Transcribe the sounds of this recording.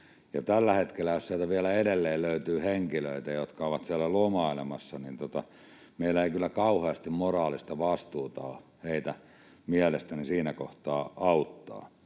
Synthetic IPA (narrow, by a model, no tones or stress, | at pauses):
jɑt̪ælːæhet̪kelːæjossiælt̪æʋiælæedelːeːlløyt̪yːheŋkilø̰it̪æjot̪kɑoʋɑt̪siælːælomɑilḛmɑ̰sːɑnint̪ot̪ɑ | meilːæeikylːækɑuheɑst̪immorɑːlist̪ɑʋɑst̪uːt̪ɑ̰ːheit̪æ | miælest̪ænisiːnæko̰ht̪ɑːʔɑut̪ːɑ̰ː